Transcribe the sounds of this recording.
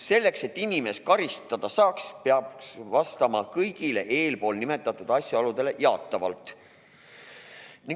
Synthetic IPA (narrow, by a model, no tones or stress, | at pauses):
se̞lːe̞kse̞t̪ːˑinime̞skɑɾist̪ɑd̪̥ɑsɑːkspeɑbsvɑst̪ɑmɑkɤjɡ̥ile̞ʔe̞ːlpo̞ːlnime̞t̪ːˑɑt̪ːˑud̪̥ɑsʲjuɑlud̪e̞le̞jɑt̪ːˑɑvɑ̰lt̪ːˑ | niŋ